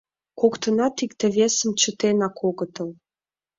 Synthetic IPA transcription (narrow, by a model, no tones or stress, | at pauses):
kokt̪ə̆nɑt̪ikt̪ĕβesə̆mt͡ɕət̪enɑkʰoɣə̆t̪əl